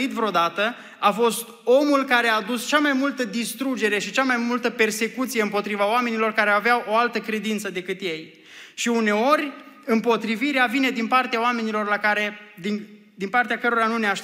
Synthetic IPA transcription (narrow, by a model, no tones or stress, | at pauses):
it̪vɾeod̪at̪ə | afo̞st̪ | o̞mulkaɾe̞aːd̪ust͡ʃamajmult̪əd̪ist̪ɾud͡ʒe̞ɾe̞ʃit͡ʃamajmult̪əpe̞rse̞kut̪sije̞ɨmpo̞t̪ɾivaoame̞nilo̞rkaɾeaveawʔo̞alt̪əkɾe̞d̪int̪səd̪e̞kɨt̪je̞j | ʃiune̞o̞ɾʲɨmpo̞t̪ɾiviɾeavine̞d̪inpart̪eaoame̞nilo̞rlakaɾe̞d̪i | d̪inpart̪eakəɾoɾanuneaʃ